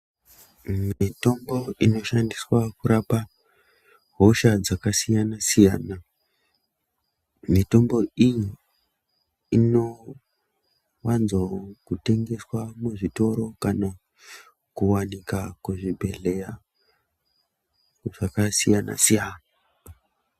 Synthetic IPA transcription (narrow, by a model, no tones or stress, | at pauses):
mito̞mbo̞ino̞ʃandiswakuɾapa | ɦo̞ʃad͡zakasijanasijaːna | mito̞mbo̞iji | ino̞ | wanzokute̞ŋɡe̞swamuʐito̞ɾo̞kana | kuwanikakuʐibʱe̞ɮe̞ja | ʐ̥akasijana̰sijaːna